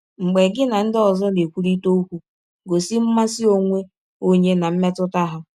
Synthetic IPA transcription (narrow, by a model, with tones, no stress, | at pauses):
ŋ͡m̩˨ɡ͡be˨ɡɪ˦na˨n̩˦dɪ˦ɔ˨zɔ˦ne˨kʷu˨ɾi˦to˦u˦kʷu˦ | ɡo˨si˦m̩˦ma˦si˦o˦ŋʷe˦ | o˦ɲe˦na˨m̩˦me˦tʊ˦ta˦ɦʊ˦